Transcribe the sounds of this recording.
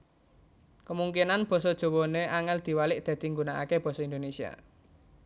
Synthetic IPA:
kəmuŋkinanb̥ɔ̤sɔd̥ʒ̥o̤woneʔaŋɛld̪̥i̤walɪʔd̪̥a̤d̪̥i̤ŋɡunaa̰keb̥ɔ̤sɔind̪onesia̰

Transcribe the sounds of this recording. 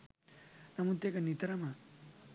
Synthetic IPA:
nɐmut̪jekanit̪ɾama

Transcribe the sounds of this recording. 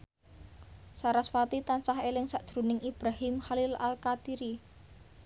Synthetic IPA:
saɾaswat̪it̪ant͡ʃaɦelɪŋsaʔd̪̥ɾṳnɪŋib̥ɾahɪmxalɪla̰lkat̪iɾi

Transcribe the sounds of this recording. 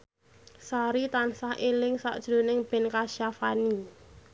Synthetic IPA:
saɾit̪ansahʔelɪŋsa̰ʔd̥ʒ̥ɾo̤nɪŋb̥ɛ̤nkaʃafani

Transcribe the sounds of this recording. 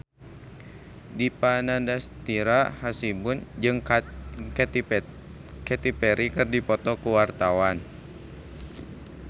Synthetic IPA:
dipanandast̪iɾahasibund͡ʒɨŋ | kɛ | kɛt̪ipɛɾikɨrdipɔt̪ɔkuwart̪awan

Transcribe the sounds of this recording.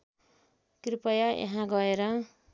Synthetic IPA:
kripʌjaʔḛɦãɡʌeɾʌ

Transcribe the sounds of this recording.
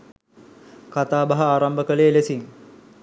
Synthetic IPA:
kat̪aːbaɦəaːɾambəkəleːlesiŋ

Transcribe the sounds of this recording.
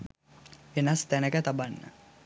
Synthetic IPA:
ʋenast̪ænəkət̪abanːə̰

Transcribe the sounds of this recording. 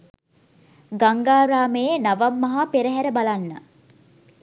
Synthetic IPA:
ɡaŋɡaːɾaːməjenaʋamːɐɦapeɾəɦæɾəbalanːə̰

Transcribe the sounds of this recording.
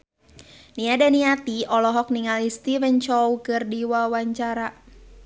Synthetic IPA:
niadaniat̪iɔlɔɦɔk̚niŋalist̪ivɛnt͡ʃɔwkɨrdiwawaɲt͡ʃaɾa

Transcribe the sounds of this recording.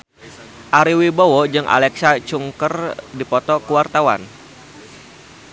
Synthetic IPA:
ʔaɾiwibowod͡ʒɨŋʔa̰lɛksat͡ʃuŋkərdipɔt̪ɔkuwart̪awa̰n

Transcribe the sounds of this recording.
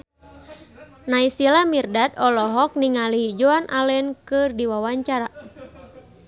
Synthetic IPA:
naisilamirdat̪ɔlɔɦɔk̚niŋaliɦid͡ʒoanʔalɛnkɨrdiwawaɲt͡ʃaɾa

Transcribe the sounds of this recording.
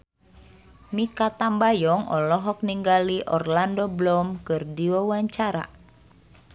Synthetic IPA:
mikat̪ambajɔŋʔɔ̰lɔɦɔk̚niŋɡaliʔɔrlandɔblɔmkɨrdiwawaɲt͡ʃaɾa̰

